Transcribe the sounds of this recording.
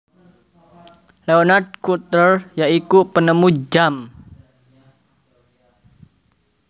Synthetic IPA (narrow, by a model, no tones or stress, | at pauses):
leonard̚kut̪ərjaʔikupənəmud͡ʒam